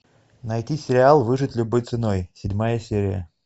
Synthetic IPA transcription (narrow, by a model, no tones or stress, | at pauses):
nɐjtʲisʲɪɾʲɪalˠvɨʐɨtʲlʲʊbojt̪sɨnojsʲɪdʲmajəsʲeɾʲɪjə̰